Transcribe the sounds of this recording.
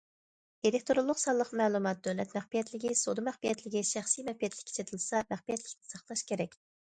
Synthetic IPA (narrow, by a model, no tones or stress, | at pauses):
elɪk̚ʲt̪ʰoɾʊlˠːʊqsɑlˠːəqmæːlˠumɑt̪̚d̪øwlɛt̪mæχbijɛt̪lɪɡʲisod̪ɨmæχbijɛt̪lɪɡʲɪʃæχsijmɛpijɛt̪lɪ̥kʲʰːe̥t͡ʃʰet̪ʰɪlˠsɑmæχbijɛt̪lɪkʲnʰɪ̥sɑχt̪ˠɑʃkʲʰeɾɛkʲ